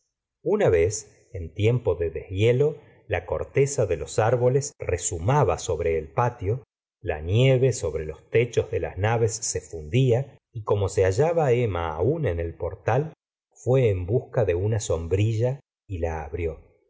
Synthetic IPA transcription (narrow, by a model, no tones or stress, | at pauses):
unaβe̞s | ent̪je̞mpoðeðehβjelo̞ | lako̞̰ɾt̪esaðe̞lo̞saɾβo̞lesresumaβa̰so̞βɾe̞ːlpat̪jo̞ | la̰nje̞βe̞so̞βɾelo̞st̪et͡ʃo̞zðe̞la̰snaβe̞sːe̞fund̪ia | iko̞mo̞seaʒaβaema̰ːunene̞lpo̞ɾt̪al | fwe̞ːmbuskaðe̞unaso̞mbɾiʒa | ilaːβɾjo̞